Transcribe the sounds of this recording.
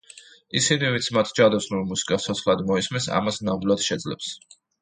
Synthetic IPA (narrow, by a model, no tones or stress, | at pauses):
isinivint̪sʰmat̪ʰd͡ʒad̪asnuvimusi̥kʼat̪ʰɔt̪sʰχlˠad̪mɔismɛnsa̰masnamd̪ulˠad̪ʃɛd̪zlɛ̰ps